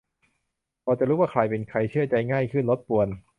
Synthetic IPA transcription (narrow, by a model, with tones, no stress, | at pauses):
pʰɔː˧˩t͡ɕa˨ɾuː˦˥wa˥˩kʰɾa˧jpe˨˧nkʰɾa˧jt͡ɕʰɯ˥˩ɐt͡ɕa˧jŋaː˥˩jkʰɯ˥˩nlo˦˥t̪̚pu˧˩ən